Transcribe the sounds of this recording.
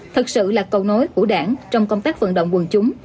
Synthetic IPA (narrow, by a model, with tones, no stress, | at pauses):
t̪ʰɨ˨˩k̚sɨ̰˧˨laː˨˩kə˧wno˨˦jku˧˩əɗaː˧˩nt͡ɕɔ˧wŋ͡mkə˧wŋ͡mt̪aː˦˥k̚və̰˧˨nɗə̰˧˨wŋ͡mwɨ˨˩ŋt͡ɕʊ˨˦ŋ͡m